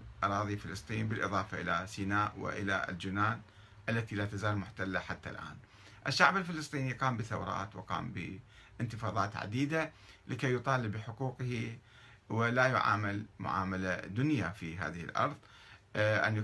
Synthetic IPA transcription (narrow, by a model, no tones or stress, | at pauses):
ʔɑɾˤɑːðˤifɪlɨsˤt̪ˤiːnbɪlʔɨðˤɑːfaʔɪlasiːnaːʔwɪ̰ʔɪ̰la̰ld͡ʒɪnaːn | ʔalːat̪ilaːt̪azaːlmʊħt̪alːaħat̪ːa̰lʔa̰ːn | ʔɪʃːaʕbɪlfɪlɨsˤt̪ˤiːniqɑːmbɪθa̰wɾˤɑ̰ːt̪wɪqɑ̰ːmbɪ̰ | ʔɪnt̪ɪfɑːðˤɑːt̪ʕa̰d̪iːd̪a | lɪkejːʊt̪ˤɑːlɪbːɪħʊquːqhi | wɪlajʊ̰ʕa̰ːmalmʊ̰ʕa̰ːmalad̪ʊnjafiɦa̰ːðɪhɪ̰lʔɑ̰ɾˤðˤ | ʔa̰n